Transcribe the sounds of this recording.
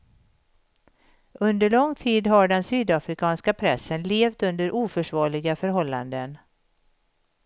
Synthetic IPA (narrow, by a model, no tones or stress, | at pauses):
ʔɵnd̪əɭɔŋt̪ʰiːd̪ɦaɖɛnsyːd̪afɾɪkʰɑːnskapʰɾɛsːənleːvt̪ɵnd̪əɾʔuːfœʂvɑːɭɪɡafœɾɦɔlːa̰nd̪ən